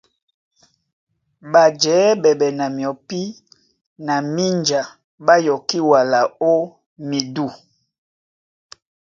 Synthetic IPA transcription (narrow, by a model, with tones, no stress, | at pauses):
ba˨d͡ʒɛː˨˦bɛ˨bɛ˨na˨mi˨ɔ˨pi˦ | na˨mi˦nd͡ʒa˨ | ba˦jɔ˨ki˦wa˨la˨o˦ | mi˨du˦˨